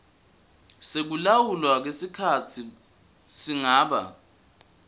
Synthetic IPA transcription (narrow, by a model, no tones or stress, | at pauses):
sek̬ulawulwak̬esikʰat͡sʰi | siŋaːɓa̰